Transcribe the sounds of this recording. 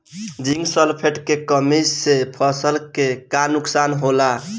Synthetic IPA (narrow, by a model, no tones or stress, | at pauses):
d͡ʒiŋɡsəlpʰeʈkekəmisːepʰəsəlkekanuksanɦola